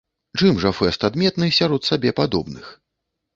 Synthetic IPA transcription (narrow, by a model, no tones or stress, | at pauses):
t͡ʂɨmʐɐfɛst̪ad̪mʲɛt̪nɨsʲaɾɔt̪sabʲɛpad̪ɔbnɨx